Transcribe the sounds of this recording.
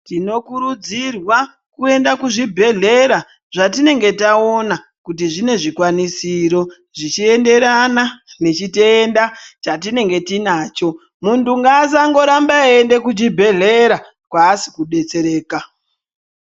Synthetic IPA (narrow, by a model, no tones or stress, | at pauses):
tino̞kuɾud͡zirwa | kue̞ndakuʐibʱe̞ɮe̞ɾa | ʐatine̞ŋɡe̞tao̞na | kut̬iʐine̞ʐikwanisiɾo̞ | ʐit͡ʃie̞nde̞ɾanane̞t͡ʃiteːndat͡ʃat̬ine̞ŋɡe̞tinaːt͡ʃo̞ | muntuŋɡazaŋɡo̞ɾambaende̞kud͡ʒibʱe̞ɮe̞ɾa | kwaːsi̥kuɗe̞t͡se̞ɾe̞ːka